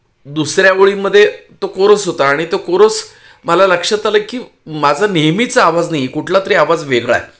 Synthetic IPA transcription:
d̪usɾjaʋəɭiməd̪ʱːjet̪okoɾosɦot̪aːɽ̃it̪okoɾot͡s | məlaləkʂət̪aləkiː | mad͡zʱanejmit͡saːʋad͡znajikuʈʰlat̪əɾiaʋad͡zʋeɡɭa̰e

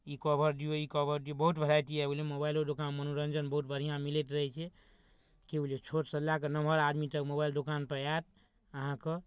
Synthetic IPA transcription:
ikɔbʱəɾd̪ijoikɔbəɾd̪ijobəɦut̪bʱəlajt̪iɛlemobailod̪okanmənoɾənd͡ʒənbəɦut̪̚bəɾ̤ijãmilet̪ɾəɦɛt͡ʃʰɛ | kelet͡ʃʰoʈsəlːakenəməɾad̪mit̪əkmobaild̪okanpəɾat̪ | əɦãkə

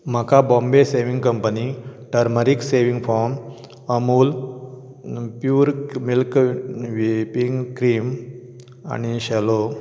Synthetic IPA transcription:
m̤akabɔ̃mbeseʋiŋɡkəmpəniʈəɾməɾikseʋiŋɡfɔɾm | əmuːl | pjuːɾmilkʋipiŋɡkɾiːm | a̰ñiɕɛlo

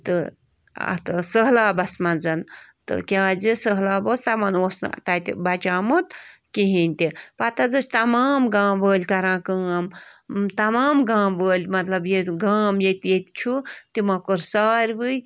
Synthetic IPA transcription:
t̪ɨ | ɐ̰t̪ɨsəɦlaːbɐsmɐnzɐnt̪ɨ̰kʲaːd͡zisəɦlaːboːst̪ɐmɐnoːsn̰t̪at̪bɐt͡ʃaːmut̪̚kiɦinʲt̪ipɐt̪ɐd͡zɨsʲt̪ɐmaːmɡãːmbəːlʲkɐɾãːkəːɐmt̪ɐmaːmɡãːmbəːlʲmɐt̪lɐbjeɡaːmjet̪ʲjet̪ʲt͡ʃʰut̪imɐkoɾsaːɾʲʋɨj

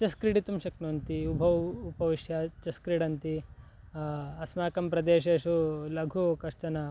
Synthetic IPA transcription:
t͡ʃɐskɾiɖit̪umʃɐknunt̪iubʱɐʋupɐʋiʃjɐt͡ʃɐskɾiɖɐnt̪i | ɐsmaːkɐmpɾɐd̪eːʃeːʃulɐɡʱukɐʃt͡ʃɐnɐ

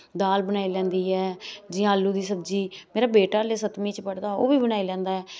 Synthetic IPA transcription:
d̪aːlbənaːiːlɛ̃ːnd̪iːɦɛːd͡ʒɪjãːəlːuːd̪iːsəbd͡ʒiːmeːɾaːbeːʈaːleːsət̪mĩːt͡ʃpəɽd̪aːo̰ːʋiːbənaːiːlɛ̃ːnd̪aːɦɛː

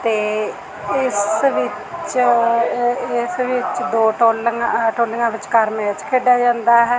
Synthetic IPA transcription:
t̪eː | ɪsʋɪt͡ʃ | ɪsʋɪt͡ʃd̪oːʈoːlʈoːlɪŋãːʋɪt͡ʃkəɾmɛːt͡ʃkʰeːɖjaːd͡ʒãːnd̪aːɦɛː

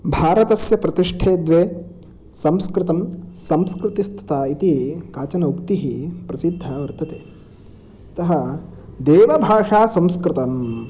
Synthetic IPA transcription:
bʱaːɾɐt̪ɐsjɐpɾɐt̪iʂʈʰeːd̪ʋeː | sɐmskɾɪt̪ɐmsɐmskɾɪt̪ist̪ʰɐ̥t̪aːit̪ikaːt͡ʃɐnɐukt̪iɦipɾɐsid̪ʱːɐʋɐɾt̪ɐt̪eː | t̪ɐɦɐd̪eːʋɐbʱaːʂaːsɐmskɾɪt̪ɐm

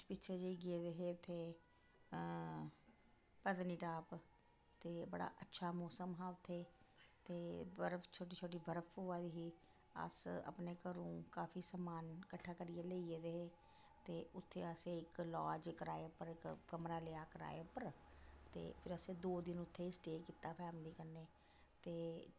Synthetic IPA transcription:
pɪtːt͡ʃʰeːd͡ʒeiːɡɪeːd̪eːɦeːʊt̪ʰːeː | pəd̪niːʈaːp | t̪eːbə̰ɽa̰ːʔətːʃʰaːmɔːsəmɦaːʊt̪ʰːeː | t̪eːbəɾəpʰt͡ʃʰoːʈiːt͡ʃʰoːʈ̬iːbʱəɾəpʰoːaːd̪iːɦiː | ə̰sə̰pneːkəɾũːkaːpʰiːsəmaːnkəʈʰːaːkəɾɪjeːləieːd̪eːeː | t̪eːʊt̪ʰːeːəseːɪklɔːd͡ʒkəɾaːeːʊpəɾɪkkəmɾaːleːaːkəɾa̰ːepəɾ | t̪ḛːpʰɪɾəsẽːd̪oːd̪ɪnʊt̪ʰːeːɪsʈeːkiːt̪ːaːpʰɛːmɪliːkəɾneː | t̪eː

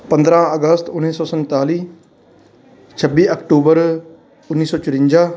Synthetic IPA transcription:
pənd̪ɾãːəɡəst̪ʊnːiːsɔːsə̃nt̪aːliː | t͡ʃʰəbːiːʔəkʈuːbəɾ | ʊnːiːsɔːt͡ʃʊɾɪ̃ɲd͡ʒaː

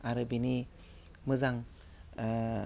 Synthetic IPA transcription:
aɾɯbini | mɯzaŋ

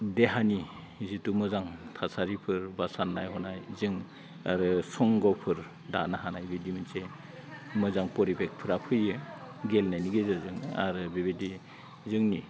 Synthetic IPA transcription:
deɦani | zitumɯzaŋtʰasaɾipʰɯɾbasanːajɦɔnajzɯŋ | aɾɯsɔŋɡɔpʰɯɾ | danaɦanajbidimɯnse | mɯzaŋpɔɾibek̚pʰɯɾapʰɯjɯɡelnajniɡezɯzɯŋa̰ɾɯbebedi | zɯŋni

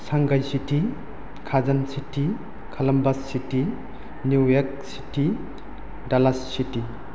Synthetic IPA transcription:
saŋɡajsiti | kʰazɐnsitʰi | kʰɐlɐmbɐsːiti | nuwjek̚ | si̥ti | dalasːiti

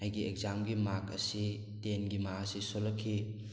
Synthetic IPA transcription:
hajɡieɡ̚zamɡimakɐ̰si | tenɡimasisolɐkʰːi

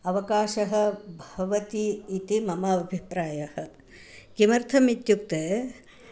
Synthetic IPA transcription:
ɐʋɐkaːʃɐɦɐ̆bʱɐʋɐt̪iːt̪imɐmɐʋibʱipɾaːjɐhɐ | kimɐɾt̪ʰɐmit̪juk̚t̪eː

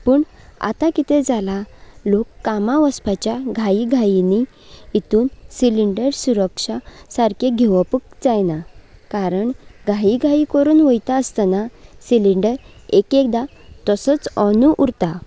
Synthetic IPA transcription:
pəːɳ | a̰t̪akit̪ɛd͡zalalokːamaʋəspat͡ɕjaɡʱaiɡʱainiː | t̪uːnsiliɳɖəɾsuɾəkʂasaɾkʰeɡʱeʋəpək̚d͡zajnakaɾəɳɡʱaiɡʱaikəɾuːnʋəjt̪aəst̪ənasiliɳɖəɾekek̚d̪a | t̪əsət͡sənuʔuɾt̪a

